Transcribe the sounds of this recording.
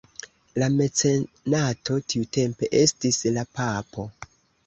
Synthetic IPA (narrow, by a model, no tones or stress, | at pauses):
lame̞t͡se | nato̞tʰiute̞mpe̞ʔe̞stislapapo̞